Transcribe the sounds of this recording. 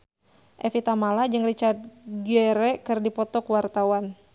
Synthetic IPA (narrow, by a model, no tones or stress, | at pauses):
ʔɛfit̪amalad͡ʒɨŋrit͡ʃart̪̚ɡɛɾɛkɨrdipɔt̪ɔkwart̪awan